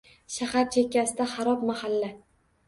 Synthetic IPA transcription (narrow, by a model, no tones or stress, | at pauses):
ʃahaɾt͡ʃʰekʲːasɪd̪aχaɾɒpmahalːa